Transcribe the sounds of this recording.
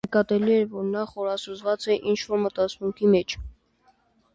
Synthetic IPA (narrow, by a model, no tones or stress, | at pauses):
əkɑt̪ɛliɛɾvɔɾnɑχɔɾɑsuzvɑt͡sɛʔint͡ʃʰvɔɾmət̪ɑt͡sʰmuŋkʰimɛt͡ʃʰ